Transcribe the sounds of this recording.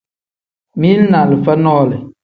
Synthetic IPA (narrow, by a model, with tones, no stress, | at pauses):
mi˦n˦na˨lɨ˨fə˦nɔː˦˨lɨ˨